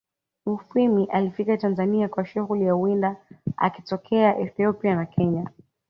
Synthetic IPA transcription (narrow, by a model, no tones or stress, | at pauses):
ufimiʔalifikatanzaniakwaʃuɣulijauwindaa̰ki̥tɔkʰɛaʔɛθiɔpianakʰɛɲa